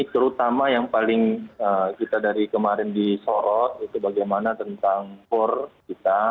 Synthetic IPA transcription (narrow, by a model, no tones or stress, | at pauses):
it̪əɾut̪amajaŋpalɪŋəkit̪adaɾikəmaɾɪndisɔɾɔt̪̚it̪ubaɡajmanat̪ənt̪aŋpʊrkit̪a